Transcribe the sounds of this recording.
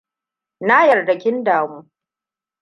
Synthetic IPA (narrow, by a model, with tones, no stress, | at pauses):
na˦jɐ˨rdɐ˨kʲɪ˦ndaː˨muː˦